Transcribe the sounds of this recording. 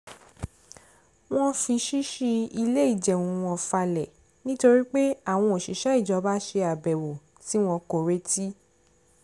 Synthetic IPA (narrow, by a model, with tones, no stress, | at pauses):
w̃ɔ̃˦fi˧ʃi˦ʃi˧i˧le˦i˦˨d͡ʒɛ˨ũ˨w̃ɔ̃˧˨fa˧lɛ˨ | nĩ˦to˧ɾi˦k͡pe˦a˦˨w̃ɔ̃˧o˨ʃi˨˦ʃa˦i˦˨d͡ʒɔ˧ba˦ʃe˧a˨bɛ˨wo˨ | ti˨˦w̃ɔ̃˧ko˨ɾe˦ti˦